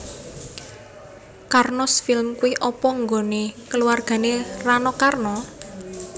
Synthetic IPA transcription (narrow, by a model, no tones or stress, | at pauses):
karnɔsfilmkuiʔɔpɔŋɡonekəluwarɡ̥a̤neranɔkarnɔ